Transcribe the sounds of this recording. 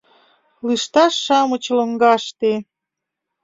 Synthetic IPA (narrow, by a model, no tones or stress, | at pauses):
lɨʃt̪ɑʃːɑmə̆t͡ɕloŋɡɑʃt̪e